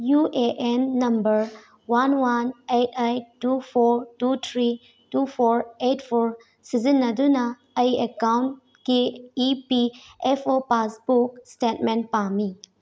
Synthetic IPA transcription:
jueʔenːɐmbəɾ | wanwanetʰajtupʰoɾtutʰɾi | tupʰoɾetpʰoɾ | sizinːɐdunɐ | ɐjekawn | kiːpiepʰopasbukstetmenpami

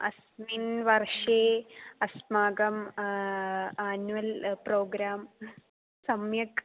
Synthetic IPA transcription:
ɐ̰s | miːnʋɐrʂeːɐsmaːɡɐm | aːnuʋɐlproːɡɾaːm | sɐmjɐk

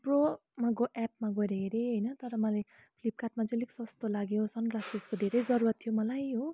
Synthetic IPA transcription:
bromaɡoʔɛp̚maɡʌɾeeɾeɦʌjnʌt̪ʌɾʌmʌlaj | pʰlip̚kaʈ̚mad͡zʌliksʌst̪olaɡjot͡sʰʌnklasiskod̪ʱeɾʌjd͡zʌɾuɾʌt̪ʰːijomʌlajɦo

